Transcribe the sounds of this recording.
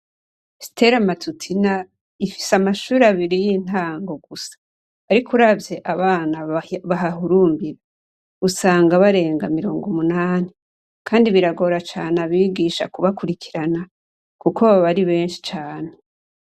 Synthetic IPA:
si̥te̞ɾamatutʰina | ifi̥samaʃuːɾaβiɾijin̥aːŋɡo̞ɡusḁː | ɾikʰuɾabje̞ʔaβaːnaβaɦahuɾuːmbiɾa | usaːŋɡaβaɾe̞ːŋɡamiɾo̞ːŋɡomunaːni | kʰaːndiβiɾaɡo̞ɾat͡ʃaːnaβiːɡiːʃa̰kuβakuɾikʰiɾana | kukʰoβaβaɾiβe̞ːnʃi̥t͡ʃaːne

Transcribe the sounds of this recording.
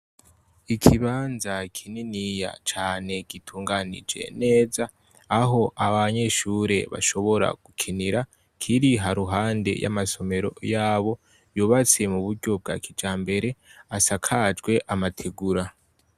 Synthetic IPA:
ikʰiβaːnzakʰininija̰t͡ʃaːne̞ɡ̥itʰuːŋɡanḭd͡ʒe̞̰ne̞ːzaː | ɦo̞ʔaβaɲe̞ʃuːɾe̞βa̰ʃo̞βo̞ɾa̰ɡ̥ukʰiniɾa | kʰiɾiɦaɾuɦaːnde̞̰ja̰maso̞me̞ɾo̞̰jaːβo̞ | juːβat͡se̞muβuɾɟo̞b̚ɡaːkʰid͡ʒaːmbe̞ɾe̞asakʰad͡ʒɡwe̞ʔamatʰeɡuɾa

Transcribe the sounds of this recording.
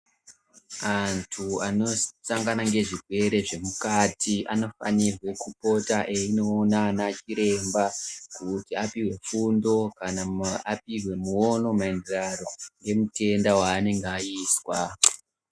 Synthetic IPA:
antʰuano̞saŋɡanaŋɡe̞ʐirʱwe̞ɾe̞ʐe̞mukatiʔa̰no̞fa̰nirwekupo̞taʔeino̞ːnanat͡ʃiɾe̞mbakutiapiwe̞fundo̞kanaap̚iwe̞muo̞no̞maendiraɾo̞ŋɡe̞mute̞ndawaːne̞ŋɡeaiːswa

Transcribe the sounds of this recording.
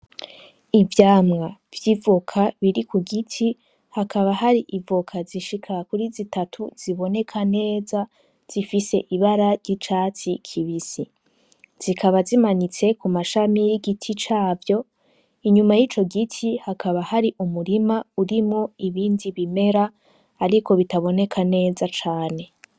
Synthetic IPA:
ivjaːmŋavjiːvokʰaβiɾikʰuɡitʰi | hakʰaβahaɾiʔivokʰaziʃikʰakuɾizitatʰuz̥iβo̞ne̞kʰane̞ːza | z̥ifise̞ʔiβaɾaɾɟit͡ʃaːt͡sikʰiβisi | z̥ikʰaβazimanit͡se̞kumaʃamijiɡitʰit͡ʃaːvjo̞ | iɲumajit͡ʃo̞ɡitʰihakaβahaɾiʔumuɾimauɾimŋoiβiːndiβime̞ɾaː | ɾiko̞βitaβo̞ne̞kʰane̞ːzat͡ʃaːne̞

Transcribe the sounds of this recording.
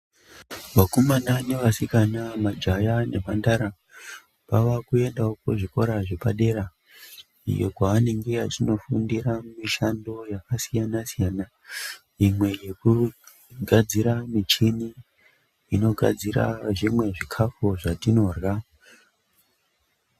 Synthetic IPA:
ʋakumanane̞ʋasikanamad͡ʒajane̞̰mandaɾa | paʋakue̞ndaokoʐiko̞ɾaʐe̞paɗe̞ɾa | ḭjo̞̰kwaːne̞ŋɡe̞ɦatino̞fundiɾamiʃando̞jakasijanasijaːna | imwe̞je̞ku | ɡʱad͡ziɾamit͡ʃini | ino̞ɡʱa̰d͡ziɾa̰ʐimwe̞ʐikʰafoʐatino̞rɣa

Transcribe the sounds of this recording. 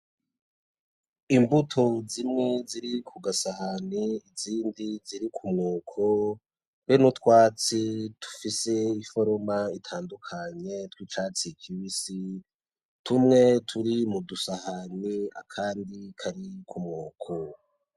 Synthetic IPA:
imbutʰozimŋe̞ziɾikʰuɡasahaniiziːndiziɾikʰumŋoːkʰo | wenutkwaːt͡situ̥fise̞ifo̞ɾomaitʰaːndukʰaɲe̞twiːt͡ʃaːt͡sikʰiwisi | tʰumŋe̞tʰuɾimudusahania̰kʰaːndikʰaɾikumŋoːkʰo

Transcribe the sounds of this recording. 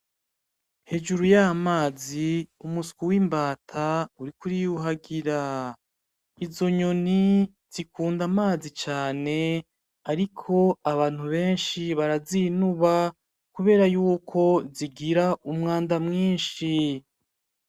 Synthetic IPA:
he̞d͡ʒuɾujamaːziumuskuwiːmbaːtʰauɾikuɾijuɦaɡiɾa | izo̞ɲo̞ni | z̥ikuːndamaːzit͡ʃaːne̞ | aɾikʰo̞aβaːn̥huβe̞ːnʃiβaɾazinuβa | kuβe̞ːɾajuːkʰo̞ziɡiɾaumŋaːndamŋiːnʃi

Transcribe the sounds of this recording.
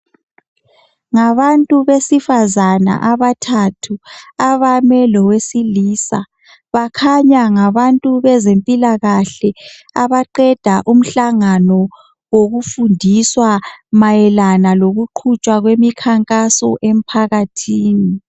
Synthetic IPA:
ŋaβantʼuβesifazana̰ʔaβatʰatʰuaβamɛlɔwesiliːsa̰ | βakʰaɲaŋaβantʼuβɛzempʼilaɣaɬɛ | aβaǃɛd̥ʱaʔum̩ɬaŋanɔ | woɣufundʱiswamajɛlanaloɣuǃʰut͡ʃʼwaɣwemikʰaŋkʼasɔ̰ʔem̩pʰaɣatʰiːni

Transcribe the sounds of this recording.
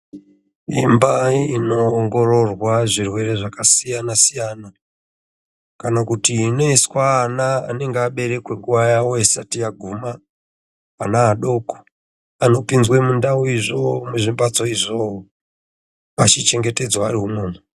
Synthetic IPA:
imbainoːŋɡo̞ro̞rwaʐirwe̞re̞ʐakasijanasijana | kanakutiːne̞skwaːna̰ːne̞ŋɡeaɓe̞ɾe̞kweŋɡuʋajawoesatijaɡʱumaː | naːɗo̞ko̥ | ano̞pinzwemundauiʐo̞muʐimbad͡zo̞iʐoo | at͡ʃit͡ʃe̞ŋɡe̞te̞d͡zwaariɦuno̞ːmu

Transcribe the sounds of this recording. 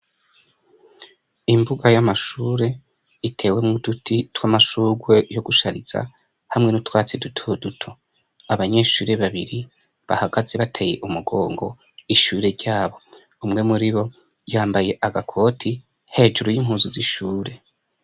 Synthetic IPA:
imbuɡajamaʃuːɾe̞ | itʰe̞ːwe̞mŋudutʰitwamaʃuɡwe̞jo̞ɡuʃaɾiz̥a̰ | hamŋe̞nutwaːt͡sidutʰodutʰo̞ | aβaɲe̞ːʃuːɾe̞βaβiɾi | βa̰haɡazeβatʰeje̞ʔumuɡo̞ːŋɡo̞ | iʃuːɾe̞ɾɟaːβo̞ | umŋe̞muɾiβo̞ | jaːmbaje̞ʔaɡakʰo̞ːtʰi | he̞ːd͡ʒuɾojim̥ɦuːzuziʃuːɾe̞

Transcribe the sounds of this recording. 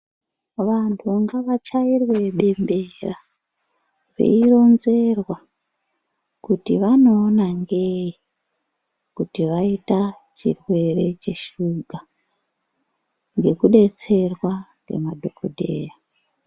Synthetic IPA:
ʋantʰuŋɡaʋat͡ʃairwe̞ɓe̞mbe̞ra | rḛiro̞nze̞rwa | kutiʋano̞ːnaŋɡe̞ji | kutiʋaita | t͡ʃḭrwe̞ɾe̞t͡ʃe̞ʃuɡʱa | ŋɡe̞kuɗe̞t͡se̞rwaŋɡe̞̰madʱo̞kʰodʱe̞̰ːra

